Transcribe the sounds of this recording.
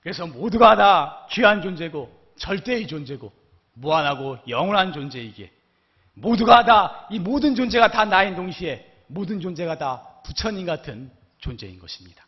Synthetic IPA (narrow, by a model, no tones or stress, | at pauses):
kɯɾe̞sʰʌmoduɡadat͡ɕɥiɦand͡ʑond͡ʑe̞ɡo | t͡ɕʌɭt͈e̞it͡ɕond͡ʑe̞ɡo | muanɦaɡojʌŋʌɭɦand͡ʑond͡ʑe̞iɡe̞̰ | moduɡadaimodɯnd͡ʑond͡ʑe̞ɡatanaindoŋɕʰie̞ | modɯnd͡ʑond͡ʑe̞ɡataput͡ɕʰʌɲinɡatʰɯn | t͡ɕond͡ʑe̞inɡʌɕʰi̥mɲid̥ḁ